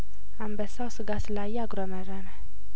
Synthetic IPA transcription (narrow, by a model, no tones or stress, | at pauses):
ambəsawsɨɡasɨlajaɡɾoməɾamɛ